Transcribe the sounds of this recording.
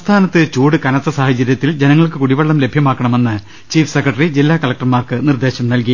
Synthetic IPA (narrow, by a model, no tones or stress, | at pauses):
st̪ʰaːnɐt̪ːɨt͡ɕuːɽɨkɐnɐt̪ːɐsaːhɐt͡ɕːɐɾjɐt̪ːild͡ʑenɐŋːɐɭkɨkuɽiʋɐɭːɐmle̞bʱjɐmaːkːɐɳɐme̞nːɨ | t͡ɕiːfsekːrɐʈːɐrid͡ʑilːaːkɐlɐk̚ʈɐrmaːrkɨnird̪eːɕɐmnɐlk̬i